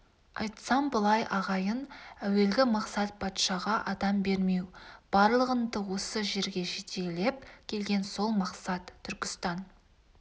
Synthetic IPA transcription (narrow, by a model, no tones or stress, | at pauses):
ɑ̰jt̪sɑmbəlˠɑjʔɑʁɑjənæwe̞lɡʲɪmɑqsɑt̪̚pʰɑt̪ʃɑʁɑʔɑd̪ɑmbe̞ɾme̞wb̥ɑɾlˠəʁənd̪əwo̞səʒe̞ɾɡʲe̞ʒe̞t̪ʰe̞le̞p̚kʲʰe̞lɡʲe̞nso̞lˠmɑqsɑt̪ʰːʏɾkʲɪ̥st̪ɑn